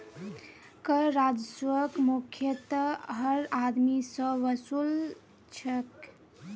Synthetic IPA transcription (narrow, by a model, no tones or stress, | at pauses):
kəɾad͡ʒswəkmukʰjət̪ɦəɾad̪misə̃ʋəsul | t͡ʃʰək